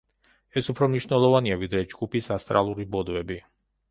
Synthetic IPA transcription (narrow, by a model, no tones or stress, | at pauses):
ɛsupʰɾɔmniʃnɛlˠɔvaniavid̪ɾɛd͡ʒɡupisast̪ʼɾa̰lˠuɾibɔd̪vɛbi